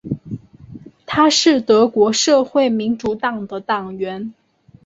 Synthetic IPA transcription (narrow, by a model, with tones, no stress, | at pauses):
t̪ʰa˥ʂɻ̩˥˩t̪ɤ˧˥kwɔ˧˥ʂɤ˥˧xwe˥˩ɪmi˧˥nʈ͡ʂu˧˥t̪ɑ˨˩ŋd̪ə˨t̪ɑ˨˩ŋɥɛ˧˥n